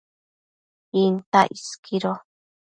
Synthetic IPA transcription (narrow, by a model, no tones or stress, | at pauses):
int̪aʔiskʰiɾo